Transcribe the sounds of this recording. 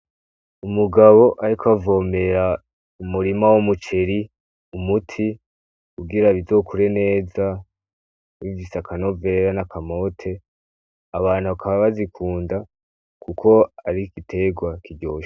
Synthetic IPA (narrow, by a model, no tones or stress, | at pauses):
umuɡaβo̞ʔaɾikavo̞ːme̞ɾa | umuɾimawomut͡ʃe̞ɾi | umutʰi | kuɡiɾaβizo̞ːkʰuɾe̞ne̞ːza | βivisakʰano̞ve̞ɾanakʰamo̞ːtʰe̞ | aβaːnhuβakʰaβaβazikʰuːnda | kʰukʰo̞aɾikitʰe̞ɡwakiɟo̰ːʃ